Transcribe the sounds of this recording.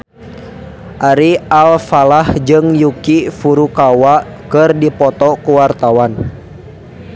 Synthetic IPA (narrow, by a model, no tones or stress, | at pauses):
ʔaɾialfalahd͡ʒɨŋjukifuɾukawa | kɨrdipɔt̪ɔkuwart̪awan